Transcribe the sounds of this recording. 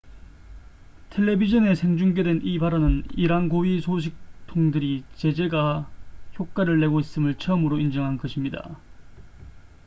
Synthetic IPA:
tʰe̞ɭːe̞bid͡ʑʌne̞sʰe̞ŋd͡ʑuŋɡe̞dwe̞nibaɾʌnɯniɾaŋɡoɥisʰoɕ̬ʰik̚tʰoŋdɯɾit͡ɕe̞d͡ʑe̞ɡaçjok̚k͈aɾɯɭːe̞ɡois͈ɯmɯɭt͡ɕʰʌmɯɾoind͡ʑʌŋɦanɡʌɕʰimɲida̰

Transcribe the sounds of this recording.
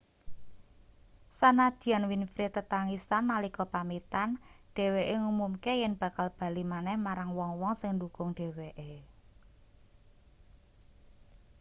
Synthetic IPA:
sanad̪̥i̤anwinfɾet̪ət̪aŋisanːalikɔpamit̪anɖ̥e̤weʔeŋumumkejɛnb̥ä̤kalb̥a̤limanɛhmaɾaŋwɔŋwɔŋsɪŋɳdukʊŋɖ̥e̤weʔe

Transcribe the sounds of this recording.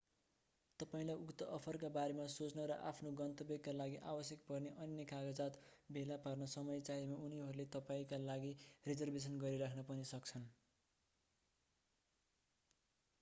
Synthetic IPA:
t̪ʌpaĩlajʔukt̪ʌʔʌpʰʌrkabaɾemasot͡snʌɾʌʔa̰pʰnoɡʌnt̪ʌbeɡkːalaɡiʔabʌsjʌkpʌrneʔʌnjʌkaɡʌd͡zat̪bʱelaparnʌsʌmʌjt͡saɦimauniɦʌɾulet̪ʌpaĩkalaɡired͡zʌrbes̬ʌnɡʌɾiɾakʰnʌpʌnisʌkt͡sʰʌn

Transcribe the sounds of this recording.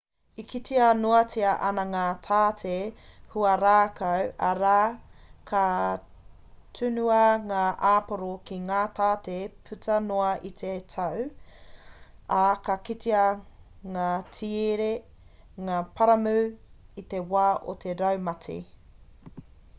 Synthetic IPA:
ikʰitiɐnoɐtʰiɐʔɐnɐŋaːt̪ʰaːtʰehuɐɾaːkɐwʔɐɾaːkʰɐ | tʰʉnuɐŋaːʔaːpoɾokiŋaːtʰaːtepʰʉtʰɐnoɐʔit̪ʰetʰɐw | akɐkit̪iɐŋaːtʰieɾe | ŋaːpʰɐɾɐmʉːit̪ewaːʔo̰t̪ʰeɾɐwmɐtʰḛ

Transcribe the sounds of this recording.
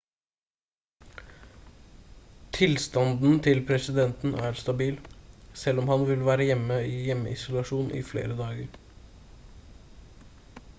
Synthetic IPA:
t̪ʰɪlst̪ɑnd̪n̩t̪ʰɪlpʰɾɛsɪd̪ɛnt̪n̩ʔæːɾst̪ɑbiːlsɛlːɔmhɑnʋɪlʋæːɾəjɛmːəiːjɛmːə̰ɪsʊlɑʂuːnʔɪ̰flḛːɾəd̪ɑːɡəɾ

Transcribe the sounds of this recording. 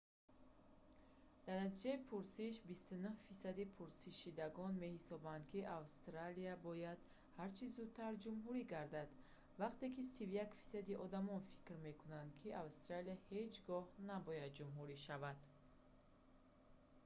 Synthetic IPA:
d̪̥aɾnat̪id͡ʒaipʰuɾsiʃbist̪unuhfisad̪ipʰuɾsiʃid̪aɡɔnme̞hisɔband̪̚kʰiʔavst̪ɾaliabɔjad̪̥ | haɾt͡ʃʰizud̪̚t̪ʰːaɾd͡ʒumɦuɾiɡaɾd̪ad̪ | vaqt̪e̞kisivjakfi̥sad̪iʔɔd̪amɔnfi̥kɾme̞kʰunand̪kʰiʔavst̪ɾaliahe̞d͡ʒɡɔhnabɔjad̪̚d͡ʒumɦuɾiʃavad̪̥

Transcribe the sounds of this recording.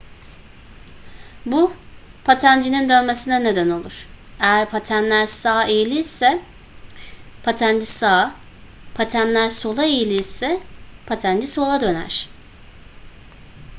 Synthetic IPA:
bupʰat̪ʰænd͡ʒinind̪ø̞nme̞sinɛne̞d̪æno̞lˠuɾ̥ejæɾpʰat̪ʰænlʲæɾsaːejilʲisɛ | pʰat̪ʰænd͡ʒisaː | pʰat̪ʰænlʲæɾso̞lˠaejilʲisɛpʰat̪ʰænd͡ʒiso̞lˠad̪ø̞næ̰ɾ̥

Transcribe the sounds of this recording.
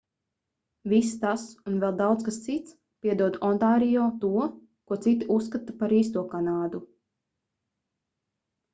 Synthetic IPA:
vist̪asunvɛlˠd̪awt̪skast̪sit̪s | pʲiɛd̪uɔd̪ɔnt̪aːɾijɔːt̪uɔ | kuɔt̪sit̪iusːkat̪apaɾiːs̬t̪uɔkanaːd̪u

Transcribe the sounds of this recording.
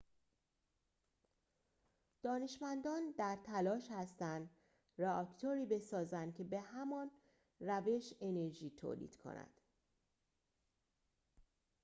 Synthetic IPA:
d̪̥ɒːne̞ʃmænd̪ɒːnd̪æɾt̪ʰælɒːʃhæst̪ænd̪ | reɒːct̪ʰoɾiːbe̞sɒːzænd̪̚cʲʰe̞be̞hæmɒːn | ræve̞ʃe̞ne̞ɾʒiːt̪ʰo̰ːlḭːd̪̥kʰo̰næ̰nd̪̥

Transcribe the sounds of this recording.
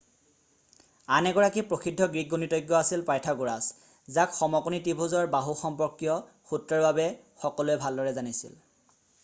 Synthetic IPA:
anɛɡɔɹakipɹoxidʱːɔɡɹiɡonitɔjɡːɔasilpajtʰaɡoɹas | zakxɔmɔkunitibʱuzɔɹbaɦuxɔmpɔɹkjɔ | xutɹɔɹbabɛ | xɔkɔlʊɛbʱaldɔɹɛzanisḭl

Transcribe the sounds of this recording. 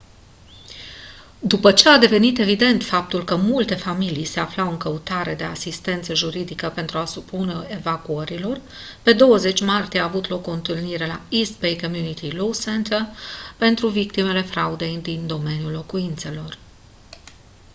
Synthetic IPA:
d̪upət͡ʃe̞ad̪e̞ve̞nit̪e̞vid̪e̞nt̪fap̚t̪ulkəmult̪e̞familijse̞aflawɨŋkəut̪aɾe̞d̪e̞asist̪e̞nt̪səʒuɾid̪ikəpe̞nt̪ɾuasupuneevakuəɾilo̞r | pe̞d̪o̞wəze̞t͡ʃʲmart̪ijeaːvut̪lo̞koɨnt̪ɨlniɾe̞la̰ist̪̚bejkomjunit̪ilowsɛnt̪ʰərpe̞nt̪ɾuvikt̪ime̞le̞fɾaud̪e̞jd̪ind̪o̞me̞njulːo̞kuint̪se̞lo̞r

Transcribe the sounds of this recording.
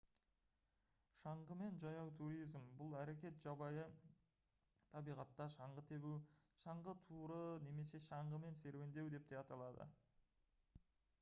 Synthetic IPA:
ʃɑɴʁəme̞nʒɑjɑwt̪ʰuɾijzmbʊlˠæɾe̞kʲe̞t̪ʒ̥ɑbɑjə | t̪ʰɑbijʁɑt̪ːɑʃɑɴʁət̪ʰe̞buwʃɑɴʁət̪ʰuɾəne̞me̞se̞ʃɑɴʁəme̞nse̞ɾwe̞nd̪e̞wd̪e̞p̚d̪̥ejɑt̪ɑlˠɑd̪ə̰

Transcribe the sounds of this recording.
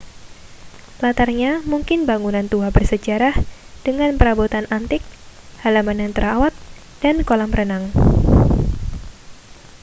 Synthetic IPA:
lat̪arɲamuŋkɪnbaŋunant̪uabərsəd͡ʒaɾahd̥əŋanpəɾabut̪anant̪ɪk̚halamanant̪əɾawat̪̚ | d̥ankolamɾənaŋ

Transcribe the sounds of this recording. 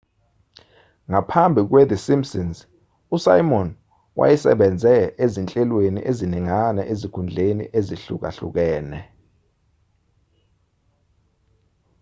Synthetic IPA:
ŋapʰambʱik̬wed̪isimsinz | usa̰jmɔn | wʔa̰jisɛ̰ɓɛnd͡zʱɛezint͡ɬʼɛlwenḭʔeziniŋanɛʔezikʰund͡ɮʱenḭʔeziɬṵk̬a̰ɬṵk̬ɛːnɛ

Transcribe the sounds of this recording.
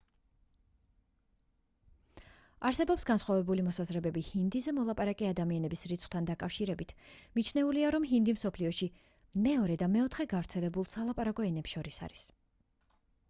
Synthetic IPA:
aɾsɛbɔpsɡansχwavɛbulimɔsazɾɛbɛbihind̪izɛmɔlˠapʼaɾakʼɛad̪amianɛbisɾit̪sʰχʰʼw̚t̪ʰand̪akʼafʃiɾɛbit̪ʰmit͡ʃʰnɛuliaɾɔmɦind̪imsɔpʰliɔʃi | mɛɔɾɛd̪amɛɔt̪ʰχɛɡavɾt̪sʰɛlɛbulˠsalˠapʼaɾakʼɔɛnɛpsʃɔɾisa̰ɾis

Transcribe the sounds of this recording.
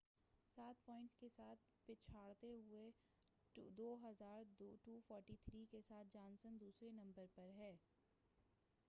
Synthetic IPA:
saːt̪̚pɔ̃ːɪ̃ɳʈskesaːt̪̚ʰ | pɪt͡ʃʰaːɽt̪eɦʊe | d̪oːɦɐzaːɾdʈuːfɔːɾʈit̪ʰɾiːkesaːt̪̚ʰd͡ʒãːnsənd̪uːsɾenɐ̃mbəɾpɐɾɦɛː

